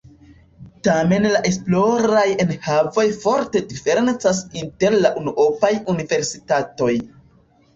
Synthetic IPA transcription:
tame̞nlaʔe̞splo̞ɾaje̞nhavo̞jfo̞ɾte̞dife̞ɾe̞nt͡sasinte̞ɾlaʔunuʔopajunive̞ɾsitato̞j

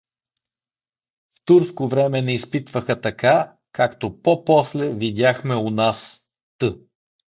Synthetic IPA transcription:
ft̪uɾskovɾɛmɛnɛispit̪vəxɐt̪ɐka | kakt̪opɔpɔslɛvid̪ʲjaxmɛonas | t̪ɤ

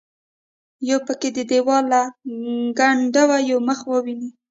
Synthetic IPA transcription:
jowpəked̪əd̪ewɑla | ɡaɳɖawajowməxwəwini

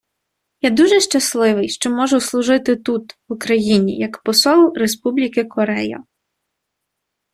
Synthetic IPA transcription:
jad̪uʒɛʃt͡ʃɐslˠɪʋɪjʃt͡ʃɔmɔʒʊslˠʊʒɪt̪ɪt̪ut̪ʋʊkɾɐjinʲḭjɐkpɔsɔlˠɾespublʲikɪkɔɾɛjɐ̰

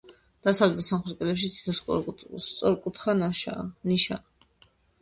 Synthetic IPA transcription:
d̪̥asavlɛt̪ʰsamχɛɾkʼɛlɛpʃ̬it̪ʰi̥t̪ʰɔsst̪sʼɔɾkʼut̪ʰχanaʃniʃa̰

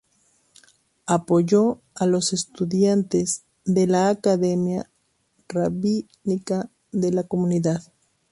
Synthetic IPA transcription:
apo̞ʝo | alo̞se̞st̪uðjant̪e̞z | ðe̞laːkaðe̞mja | raβi | nika | ðe̞lako̞muniðað

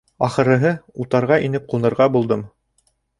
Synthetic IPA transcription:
ɑχɤ̆ɾɤ̆ɦɤut̪ɑɾʁɑinɘp̚qulˠnɤ̆ɾʁɑbulˠd̪ɤm

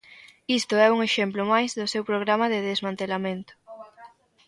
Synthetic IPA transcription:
ist̪oɛuŋeʃemplʊmajzðosewpɾoɣ̞ɾamaðeðezmãnt̪elamẽnt̪ʊ̥

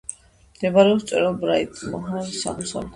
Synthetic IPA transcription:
md̪̥ɛbaɾɛɔpst̪sʼɛ̰ɾalˠbɾait̪ʼmɔɦaɾsa̰mɔsa̰l

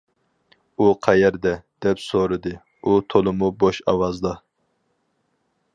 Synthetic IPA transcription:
uqʰɛjɛɾd̪ɛd̪̥ɛpsoɾɨd̪ɨ | ut̪ʰolˠɨmuboʃɑwɑzd̪ɑ

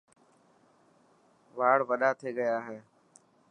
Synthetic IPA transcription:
ʋaːɽʋəɗaːt̪ʰeːɠəjaːɦeː

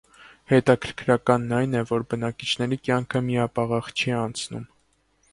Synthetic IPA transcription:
hɛt̪ɑkʰəɾkʰɾɑkɑnːɑjnɛvɔɾbənɑkit͡ʃʰn̪ɛɾikjɑŋkʰəmiɑpɑʁɑχt͡ʃʰiɑnt͡sʰnṵm

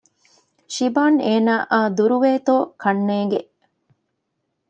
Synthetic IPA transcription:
ʃibaːneːnaːʔaːd̪uɾuʋeːt̪oːkʰɐnːeːŋɡe

